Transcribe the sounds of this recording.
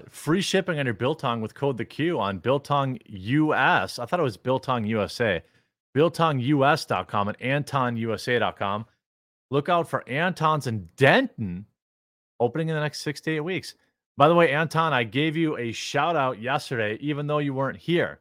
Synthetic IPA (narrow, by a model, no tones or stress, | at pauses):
fɹiʃɪpɪ̃ŋɨ̃njə˞bɪlˠtʰɑ̃ŋwɨð̥kʰoʊd̪̚ðɨkʰj̥ʉə̃nbɪlˠtʰɑ̃ŋjʉɛsaɪθɔɾət̚wʌzbɪlˠtʰɑ̃ŋjʉɛseɪ | b̥ɪlˠtʰɑ̃ŋjʉɛsd̥ɑ̰t̚kʰɑ̰̃mə̃næ̃ntʰɑ̃njʉɛseɪɾɑ̰t̚kʰɑ̃m | lʊkaʊtfə˞ʔæ̃ntʰɑ̃nzɨ̃ndɛ̃nʔn̩ | oʊpəñɪ̃ŋɨ̃nðɨnɛkstsɪkstieɪt̚wiks | b̥aɪðəweɪæ̃ntʰɑ̃naɪɡeɪvjɨɨʃaʊɾaʊt̚jɛstə˞ɾeɪʔivɨ̃nðoʊjɨwɜ̃˞nt̚hiɹ